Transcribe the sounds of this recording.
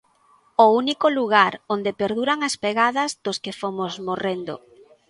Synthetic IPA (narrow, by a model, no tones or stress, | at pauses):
ounikoluɣaɾond̪epeɾðuɾaŋɐspeɣaðɐzðoskefomozmorend̪o̰